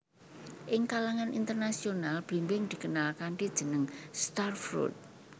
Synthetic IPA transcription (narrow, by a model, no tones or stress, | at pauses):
ʔɪŋkalaŋanʔint̪ərnasionalb̥imbɪŋd̪̥i̤kənalkanʈid̥ʒ̥ə̤nəŋst̪arfɾṵt̪̚